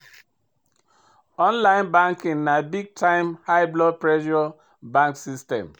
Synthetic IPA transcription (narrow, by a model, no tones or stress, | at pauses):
ɔ̃nlaɪ̃nbãŋkĩŋnabiɡ̚tʰãɪmhaɪblɔpɹɛʃɔ | bãŋksistɛ̰̃m